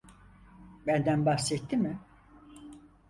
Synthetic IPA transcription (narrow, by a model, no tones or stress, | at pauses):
bænd̪ænbahsɛt̪ːimɪ